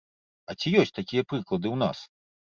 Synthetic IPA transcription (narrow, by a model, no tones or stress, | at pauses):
ɐt͡sʲijɔsʲt͡sʲt̪akʲijɐpɾɨklˠɐd̪ɨwna̰s